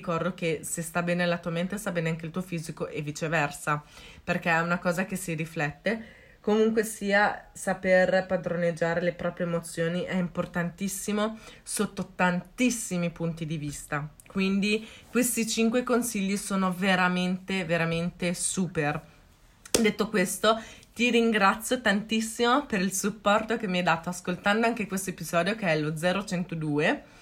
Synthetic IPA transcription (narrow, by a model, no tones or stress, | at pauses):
ikɔrd̪ok̟esest̪abɛːnelat̪uament̪est̪abɛːneaŋk̬eilt̪uofiːzikoʔɛvit͡ʃevɛrsaperk̟eɛunakɔːzakesiɾiflɛt̪ːe | komuŋkwesiːasaperpad̪ɾoned͡ʒːaːɾelepɾɔːpɾjeːmot̪sːjoːniʔɛimport̪ant̪isːimosot̪ːot̪ant̪isːimipunt̪id̪ivist̪a | kwind̪ikwest̪it͡ʃiŋkwekonsiʎːisoːnoveɾament̪eveɾament̪esuːper | d̪et̪ːokwest̪ot̪iɾiŋɡɾat̪sːjot̪ant̪isːimopeɾilsupːɔrt̪okemːiɛjd̪aːt̪oaskolt̪and̪oaŋk̟ekwest̪oepizɔːd̪jokeɛlod̪zɛːɾot͡ʃɛnt̪od̪uːe